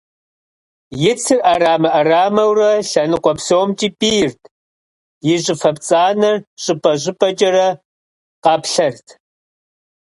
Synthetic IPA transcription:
jɪt͡sʰɨrʔaɾaːmɐʔɐraːmɐwrɐɬɐnɨqʷɔpsoːmt͡ʃʼiːpʼiːjɪrtʰʼ | jɪʑʼɪfɐpt͡sʼaːnɐrɕʼɨpʼɐʑʼɪpʼɐt͡ʃʼɐrɐ | qɑːpɬɐrtʰ

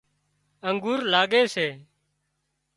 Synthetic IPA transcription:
əŋɡuːɾlaːɡeːseː

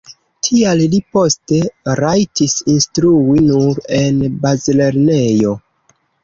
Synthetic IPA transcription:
tʰiallipo̞ste̞ɾajtisinstɾuinuɾe̞nbazle̞ɾne̞jo̞

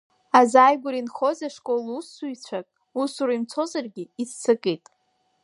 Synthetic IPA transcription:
azajɡʷʊɾinχo̞zaʂkʷʼo̞lusːujt͡ɕʷʰakʼ | usuɾaimt͡sʰo̞zarɡʲɪizt͡sʰakʼijtʼ

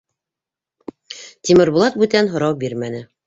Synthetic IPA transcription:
t̪ʲimɘ̆ɾbulˠɑt̪̚bʉt̪ænɦŏɾɑwbiɾmænɘ

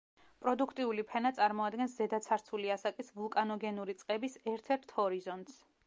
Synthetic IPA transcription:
pʼɾɔd̪ukʰt̪ʼiulipʰɛnat̪sʼaɾmɔad̪ɡɛnszɛd̪at̪sʰaɾt̪sʰuliasakʼisvulˠkʼanɔɡɛnuɾit̪sʼqʼɛbisɛɾt̪ʰɛɾt̪ʰhɔɾizɔnt̪s

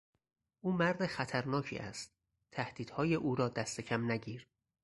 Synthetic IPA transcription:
ʔuːmæɾd̪exæt̪ʰæɾnɒːcʰḭːʔæ̰st̪ | t̪ʰːæhd̪̥iːd̪̥hɒːjeʔuːɾɒːd̪æst̪ʰe̞cʰæmnæɟiːɾ

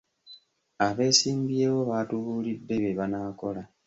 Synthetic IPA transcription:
aβe̞ːsiːmbje̞βo̞βaːtuβuːlidːe̞βeβanako̞la

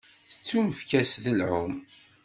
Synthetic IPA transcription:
θə̥t͡sːuməfkæsðəlʕʊm

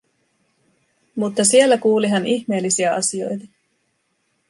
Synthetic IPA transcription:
mut̪ːɑsie̞lːækuːliɦæniçme̞ːlːisiæɑ̰sio̞̰jt̪ɑ

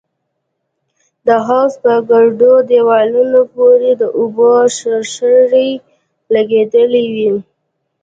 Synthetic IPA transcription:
d̪əɦɑwspəɡaɾɖod̪ewɑlunopoɾed̪əʔʊboʃəɾʃəɾej | laɡed̪əliwi

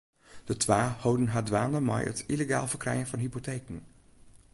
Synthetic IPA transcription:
d̥ətʋaːhowdənɦaːdʋaːnəma̰jə̰tileɡa̰ːlˠvərkrɛjənvɑnɦipoteːkən

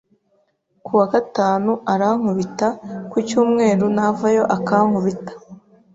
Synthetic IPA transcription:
kʰuwakataːnuaɾaŋ̥uβitakucuːmŋe̞ːɾunavajo̞ʔakaŋ̥huβitḁ

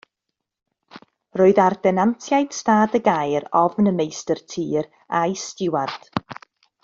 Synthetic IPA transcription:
roːɨðardɛnantʰjajd̥staːdəɡajɾɔvnəmejstərtʰiːɾ | ajstɪward̥

